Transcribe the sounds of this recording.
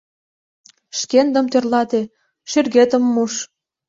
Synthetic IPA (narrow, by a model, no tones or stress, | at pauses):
ʃkend̪ə̆mt̪ørlɑt̪e | ʃyrɣet̪ə̆mːuʃ